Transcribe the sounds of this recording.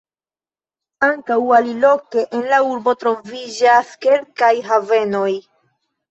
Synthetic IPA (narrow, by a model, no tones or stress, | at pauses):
aŋkawalilo̞ke̞ʔenlauɾbo̞t̪ɾo̞vid͡ʒaske̞lkajɦave̞no̞j